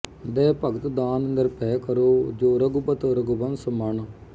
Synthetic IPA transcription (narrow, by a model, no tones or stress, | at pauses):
d̪ɛːpəɡət̪d̪aːnənd̪əɾpʰɛːkəɾoːd͡ʒoːɾəɡubət̪ːɾəɡubənsəməɳ